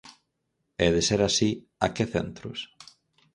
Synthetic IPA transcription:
ɛðeseɾasi | akeθḛnt̪ɾʊ̰s

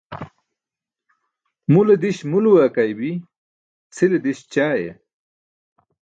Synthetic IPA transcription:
muled̪iɕmuluwakajbi | t͡sʰiled̪iɕt͡ɕaːjḛ

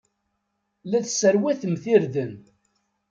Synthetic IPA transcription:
læθsəɾwæθəmθiɾðən

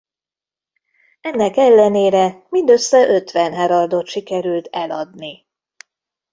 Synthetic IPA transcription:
ɛnːɛkɛlːɛneːɾɛmind̪øsːɛʔø̞t̪ʋɛnɦɛɾɒrd̪ot̪ʃikɛɾylt̪ɛlɒd̪ni

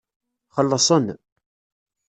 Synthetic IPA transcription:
χəlːəsˤən

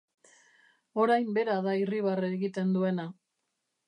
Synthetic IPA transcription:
o̞ɾajmbe̞ɾaðairiβ̞areːɣit̪e̞nd̪ue̞na

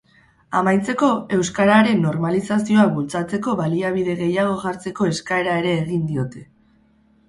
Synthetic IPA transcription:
amajt͡se̞ko̞e̞wskaɾaɾe̞nːo̞ɾmalisasio̞aβult͡sat͡se̞ko̞βaliaβiðe̞ɣe̞jaɣ̞o̞ʝaɾt͡se̞ko̞e̞skae̞ɾae̞ɾe̞ːɣind̪io̞t̪e̞̥

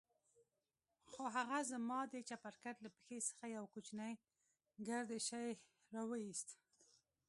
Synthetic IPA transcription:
xoɦaɣazəmɑd̪ət͡ʃapaɾkat̪lapə̥xesə̥xajawkut͡ʃnaj | ɡaɾd̪eʃaj | ɾɑwəist̪

